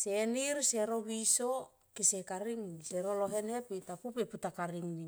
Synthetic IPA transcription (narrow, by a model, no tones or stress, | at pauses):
seniɾse̞ɾo̞βiso̞ | kise̞kaɾiŋniseɾoloɦe̞ne̞pitapupeputakaɾiŋni